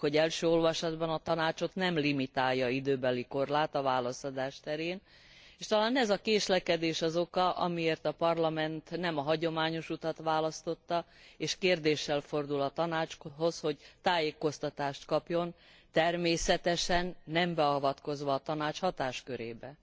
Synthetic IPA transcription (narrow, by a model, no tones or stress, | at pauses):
ho̞ɟɛlʃøːo̞lvɒʃɒd̪bɒnɒt̪ɒnaːt͡ʃo̞t̪nɛmlimit̪aːjːɒid̪øːbɛliko̞rlaːt̪ɒvaːlɒsɒd̪aːʃt̪ɛɾeːn | eːʃt̪ɒlaːnɛzɒkeːʃlɛkɛd̪eːʃɒzo̞kɒʔɒ̰mieːrt̪ɒpɒrlɒmɛnt̪nɛmɒɦɒɟo̞maːɲo̞ʃut̪ɒt̪ʋaːlɒst̪o̞t̪ːɒeːʃkeːrd̪eːʃːɛlfo̞rd̪ulɒt̪ɒnaːt͡ʃɦo̞shoɟt̪aːjeːko̞st̪ɒt̪aːʃt̪kɒpjo̞n | t̪ɛrmeːsɛt̪ɛʃɛnːɛmbɛɒvɒt̪ko̞zʋɒːt̪ɒnaːt͡ʃhɒt̪aːʃkøɾeːbɛ